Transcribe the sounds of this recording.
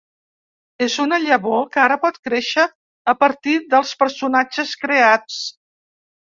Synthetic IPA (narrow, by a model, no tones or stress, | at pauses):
ezunəʎəβokaɾəpɔt̪kɾeʃəː | pəɾt̪iðəlˠspəɾsunad͡ʒəskɾeat͡s